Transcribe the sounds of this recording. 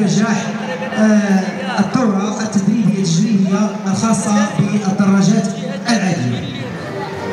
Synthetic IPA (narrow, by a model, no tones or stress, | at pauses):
ɾʒaħ | ət̪ˤːoɾˤɑʔət̪ːəd̪ɾibəjæəʒɾihjalxɑsˤːɑbəəd̪ˤːɑrˤːɑʒæt̪ | ʔəlʕad̪əja̰